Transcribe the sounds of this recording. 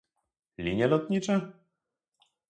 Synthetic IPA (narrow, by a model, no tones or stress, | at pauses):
lʲiɲɛlɔt̪ɲit͡ʂɛ